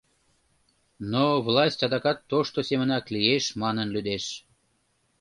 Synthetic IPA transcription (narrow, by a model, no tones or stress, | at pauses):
novlɑsʲtʲɑd̪ɑkɑt̪ːoʃt̪osemə̆nɑklijeʃmɑnənlyd̪eʃ